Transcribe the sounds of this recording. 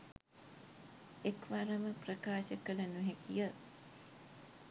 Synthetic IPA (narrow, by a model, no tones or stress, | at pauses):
ekʋaɾɐməprɐkaːʃəkəlɐnuɦekijə